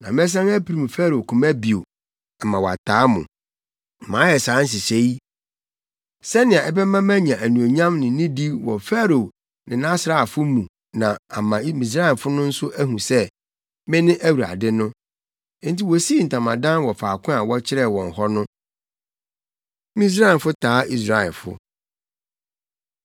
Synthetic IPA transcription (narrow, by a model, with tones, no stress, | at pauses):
nã˨m˦ɛ˦s̬ã˦ŋæ˦pʰi˨ɾi˨mũ˨fæ˦ɾo˨kʰʊ̃˨mæ˦bi˨o˨ | ɛ˨mã˨wɔ˨a̰˨tʰaː˨˦mʊ̰̃˨ | m̩˨mãː˨˦jɛ˨saː˨˦n̩˦s̬ɪ˨se˦i˦ | sɛ˦nɪ̃˨ã˨ʔɛ˦bɛ˦mã˦mæ̃˦ɲã˨ʔæ˨nũ˨o˨ɲã˦mnɪ̃˨˦nĩ˦di˦wɔ˨fa˦ɾo˨ | nɪ̃˨nã˦sɾa˦˨a˨fʊ˦mũ˨ | nã˨a˨mã˨˦mĩ˨s̬ɾa˦ɛ˨fʊ˦nʊ̃˦n̩˦sʊ˦ʔæ˦ɦũ˨sɛ˦ | mɪ̃˦nɪ̃˦ʔæ˦wu˨ɾa̰˨dɪ˦nʊ̃˦ | n̩˦ti˦wɔ˨si˦˨n̩˨tʰã˨mã̰˨dã˦nwɔ˨faː˨kʰʊ̃˦a˨wɔ˦t͡ɕʰɪ˦ɾɛ˦˨wɔ̰̃˨n̩˨hɔ˦nʊ̃˦ | mĩ˦s̬ɾa˦ɛ˨fʊ˦tʰaː˨˦i˦s̬ɾa˦ɛ̰˨lfʊ̰˦